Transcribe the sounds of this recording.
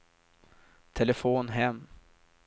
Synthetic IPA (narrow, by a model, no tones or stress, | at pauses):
t̪ʰɛləfoːnɦɛmː